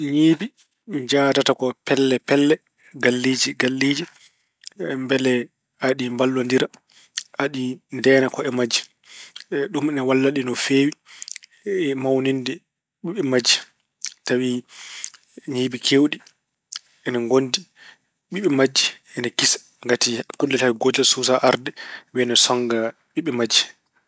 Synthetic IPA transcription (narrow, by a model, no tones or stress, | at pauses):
ɲiːbi | d͡ʒatatakɔpɛlːɛpɛlːɛ | ɡalːid͡ʒiɡalːiːd͡ʒi | mbɛlɛ | aɗimbalːandiɾa | aɗindɛːnakɔɛmad͡ʒːi | ɗumɛnɛwalːaɗinɔfeːwi | mawnindɛ | ɓiɓɛmad͡ʒi | tawi | ɲiːɓikʰewɗi | ɛnaŋɡondi | ɓiɓɛmad͡ʒːi | ɛnakisḁ | ŋɡatikundɛtawiɡɔd͡ʒasuːsaʔaɾdɛwɛnɛsɔŋɡa | ɓiɓɛmad͡ʒːi̥